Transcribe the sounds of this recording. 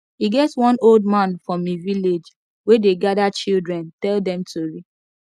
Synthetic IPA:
iɡɛtwɔ̃nold̚mãnfɹɔ̃miviled͡ʒ | wedeɡadat͡ʃildɹɛ̃ntɛldɛ̃mtʰuɹi

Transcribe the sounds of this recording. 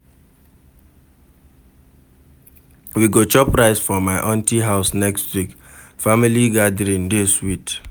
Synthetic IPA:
wiɡot͡ʃɔpɾaɪsfɔmaɪʔɔ̃ntiɦaʊsnɛkstwik | familiɡadɾĩndeswit

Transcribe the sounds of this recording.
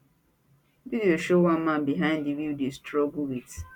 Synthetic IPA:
vidioʃowãnmãnbiɦãɪ̃ndividestɹɔɡuwit

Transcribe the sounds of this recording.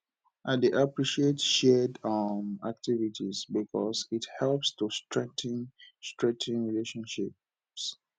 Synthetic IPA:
ʔaɪdeʔapɹiʃietʃɛdʌmak̚tʰivitʰizbikʰɔ̰sithɛlpstustɹɛ̃ŋtʰĩnstɹɛ̃tʰĩnɹileʃɔ̃nʃip | s

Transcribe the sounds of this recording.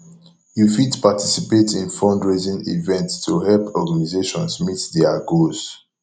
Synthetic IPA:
jufitpatʰisipetĩnfɔ̃ndɹezĩnḭvɛ̃ntstʰuhɛlpʰɔɡanizeʃɔ̃nsmitdɛaɡoz

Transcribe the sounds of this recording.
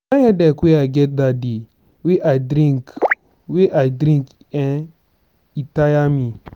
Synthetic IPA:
najɛdɛkʷeaɡɛt̚dadi | weʔajdɾĩŋk | weʔajdɾĩŋk | ɛ̃n | itajami

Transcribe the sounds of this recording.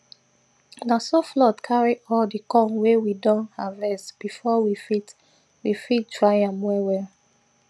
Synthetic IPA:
nasɔflɔtkʰaɹiʔɔldikɔ̃nwewidɔ̃nthavɛsb̥ifɔwifit | wifittɹaɪ̃ãmːɔwɛl

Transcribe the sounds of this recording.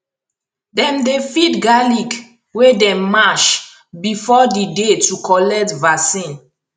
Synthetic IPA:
dɛ̃mdefitɡalik | wedɛ̃mːaʃ | bifɔdidetukʰɔlɛk̚tvasĩn

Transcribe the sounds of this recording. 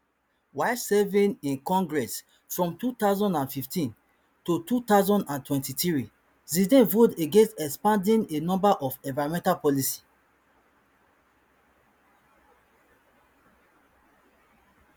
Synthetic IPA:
waɪsɛvĩnĩnkɔ̃ŋɡɹɛs | fɹɔ̃mtut̪aʊzɔ̃ndãnfiftʰĩn | tutut̪aʊzɔ̃ndãntwɛ̃ntitɹi | zidẽnvoteɡẽnstɛkspãndĩnenɔ̃mbaʔɔfɛ̃vaɹɔ̃mɛ̃ntalpɔlisi̥

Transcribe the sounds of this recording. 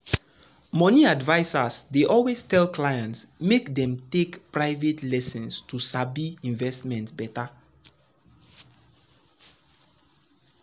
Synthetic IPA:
mɔniadvaɪsasdeʔɔlwestɛlklajãntsmekdɛ̃mtekpɹaɪvetlɛsɛ̃nstusabiĩɱvɛstmɛ̃ntsbɛta

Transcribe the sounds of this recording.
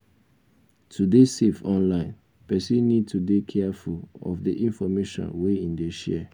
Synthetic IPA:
tʰudesefɔ̃nlãɪ̃n | pɛsĩnĩd̚tʰudekʰɛafulɔ̰fdiʔĩnfɔmeʃɔ̰̃nweĩndeʃɛ̰

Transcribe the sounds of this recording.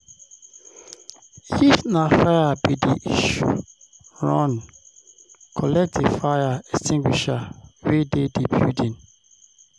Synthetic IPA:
ifnafajabidiiʃṵ | ɹɔ̃n | kʰɔlɛk̚tʰiv̥fajaɛstʰĩŋɡwiʃawededibjudĩn

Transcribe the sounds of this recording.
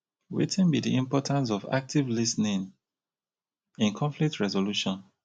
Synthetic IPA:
wḛtʰĩnbidiĩmpɔtʰãns̬ɔva̰k̚tʰivlisnĩn | ĩnkʰɔ̃ɱflik̚tɹɛzoluʃɔ̃n

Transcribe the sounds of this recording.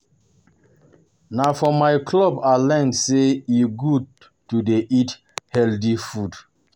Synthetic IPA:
nafɔmajkʰlɔbalɛ̃ntseiɡud̚ | tudeʔit | hɛldifud

